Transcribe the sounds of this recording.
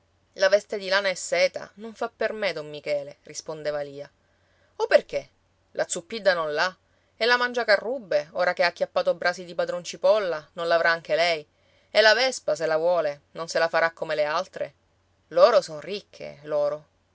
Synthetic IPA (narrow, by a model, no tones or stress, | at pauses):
lavɛst̪ed̪ilaːnaesːɛːt̪a̰noɱfapːermed̪omːikɛːlerispond̪eːvaliːa | opːerke | lʔat̪sːupːid̪ːanõnla | elamand͡ʒakarːubːeoːɾakeakːjapːaːt̪obɾaːsid̪ipad̪ɾont͡ʃipɔlːanõnlavɾʔaaŋk̟elɛj | elːavɛspas̬elavwɔːlenonselafaɾakːomelealt̪ɾḛ | loːɾosonrikʰːḛloːɾo